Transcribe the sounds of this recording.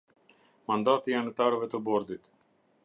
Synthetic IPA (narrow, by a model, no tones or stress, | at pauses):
mand̪at̪ianət̪aɾəvɛt̪əbɔɾd̪it̪